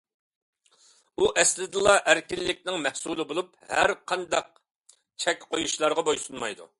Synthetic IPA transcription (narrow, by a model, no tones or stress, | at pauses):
uʔɛslɪd̪ɨlˠɑʔæɾkʲilːɪkʲnɪŋmɛhsulˠɨbolˠup | hæ̰ɾqʰɑnd̪ɑq̚ | t͡ʃʰɛkʲqʰojuʃlˠɑɾʁɑbojsunmɑjd̪ṵ